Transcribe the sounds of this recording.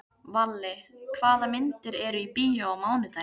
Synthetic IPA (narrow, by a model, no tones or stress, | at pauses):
valːɪkʰvaːðamɪnt̪ɪɾɛɾʏipiːjaamaːwnɪθa